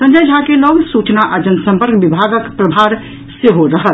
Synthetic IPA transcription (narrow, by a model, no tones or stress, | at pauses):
sə̃nd͡ʒəjd͡ʒʱakeləɡsut͡ʃnaʔad͡ʒənəsə̃mpəɾkbibʱaɡəkpɾəbʱaɾ | seɦoɾəɦət̪